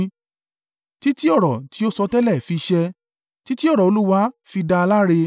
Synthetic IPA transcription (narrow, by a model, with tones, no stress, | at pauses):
ti˦ti˦ɔ˦˨ɾɔ˨ti˨˦o˦sɔ˧tɛ˦lɛ˦˨fi˧ʃɛ˧ | ti˦ti˦ɔ˦˨ɾɔ˨o˧lu˦wa˦fi˧da˧la˦ɾe˧